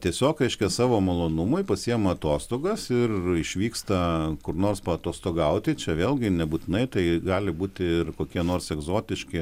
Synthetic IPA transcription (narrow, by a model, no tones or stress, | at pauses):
t̪ʲiɛsʲoːkɾʲɛɪʃʲkʲɛsɑːʋoːmɐlˠoːnʊmʊɪpɐsʲijɛmɐɐt̪oːst̪oːɡɐsɪrɪʃʲʋʲiːkst̪ɐkʊrnoːrspɐɐt̪oːst̪oːɡɐʊt̪ʲɪt͡ʃʲɛʋʲeːlˠʲɡʲɪnʲɛbuːt̪ʲɪnɐɪt̪ɐɪɡɑːlʲɪbuːt̪ʲɪɪrkoːkʲiɛnoːrsɛɡzoːt̪ʲɪʃʲkʲɪ